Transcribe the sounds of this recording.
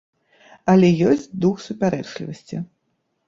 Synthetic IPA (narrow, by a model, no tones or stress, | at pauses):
ɐlʲɛjɔsʲt͡sʲd̪uxsupʲaɾɛt͡ʂlʲḭvɐsʲt͡sʲi